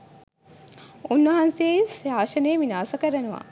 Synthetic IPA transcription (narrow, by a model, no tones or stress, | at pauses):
unːɐɦanseːisaːʃɐneːʋinaːsɐkəɾɐnuʋa̰